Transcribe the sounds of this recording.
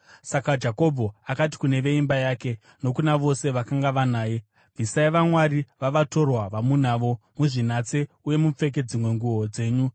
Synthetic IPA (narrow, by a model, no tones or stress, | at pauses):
sakad͡ʒako̞bʱo̞akati̥kune̞ʋe̞imbajaːke̞ | no̞kunaʋo̞se̞ʋakaŋɡaʋanaːje | vʱisaiʋamwaɾiʋaʋato̞rwaʋamunaːʋo̞ | muʐinat͡se̞ | uje̞mup͡fe̞k̬e̞d͡zimwe̞ŋɡuo̞d͡ze̞ːɲu